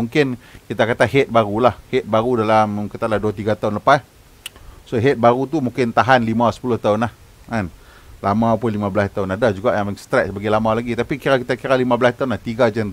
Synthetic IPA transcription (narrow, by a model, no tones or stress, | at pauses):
uŋkɪnkit̪akat̪aɦɛt̪̚baɾulahhɛt̪̚baɾudalamkit̪aʔlahduat̪iɡat̪aʊnləpas | soɦɛt̪̚baɾut̪̬umuŋkɪnt̪aɦanlimãsə̥pulʊht̪aʊnlah | ŋan | lamãpʊnlimabəlast̪aʊnadad͡ʒuɡaʔjaŋŋst̪ɾɛsbaɡalamalaɡit̪apikiɾakit̪akiɾalimãbəlast̪aʊnlaht̪iɡad͡ʒan